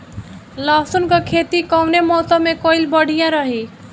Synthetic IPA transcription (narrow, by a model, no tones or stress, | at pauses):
lasunkʌkʰet̪ikɔwnemɔsəmːekojlbəɽ̤ijãɾəɦi